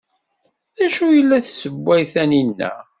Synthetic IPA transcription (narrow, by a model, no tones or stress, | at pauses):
ðæʃujəlːæθsəbːæjθæninːæ̰